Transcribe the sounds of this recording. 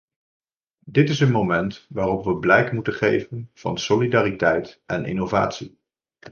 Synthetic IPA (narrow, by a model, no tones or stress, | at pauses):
dɪtɪs̬ənmomɛntʋaːrɔpʋəblɛjkmutənχḛjvənv̥ɑ̰nsolidaːritɛjtʔɛnʔɪ̰nowva̰ːtsi